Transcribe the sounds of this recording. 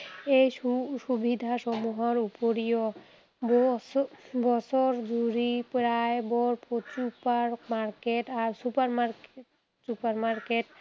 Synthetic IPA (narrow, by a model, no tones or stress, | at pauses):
ejuʃubʱid̪ʱaʃɔmuɦɔɾupoɾijɔ | bɔ | bɔsɔɾd͡ʒuɾipɾaebɔɾpot͡ɕupaɾmaɾkeʈaɾsupaɾmaɾk | supaɾmaɾkeʈ